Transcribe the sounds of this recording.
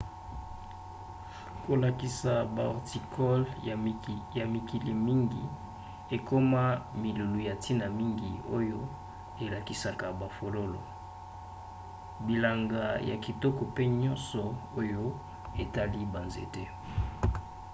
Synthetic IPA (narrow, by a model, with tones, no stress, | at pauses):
ko˨la˨ki˨sa˨ba˨ɔ̰˨ʁti˨kʰɔ˦l | ja˨mi˨ki˨li˨mi˦ŋɡi˨ | e˨ko˦ma˦mi˨lu˨lu˨ja˨tʰi˦na˨mi˦ŋɡi˨o˦jo˦ | e˨la˨ki˨sa˦ka˨ba˨fo˨lo˦lɔ̰˨ | bi˨la˨ŋɡa˨ja̰˨ki˨tɔ˦kɔ˨pe˦ɲɔ̃˦nsɔ˨o˦jo˦ | e˨ta˦li˦ba˨nzḛ˨te˦